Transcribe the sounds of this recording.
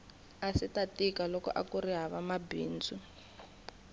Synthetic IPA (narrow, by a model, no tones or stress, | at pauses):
asitatikalɔkɔ̰ʔa̰kuriɦaβamabḭːnd͡zu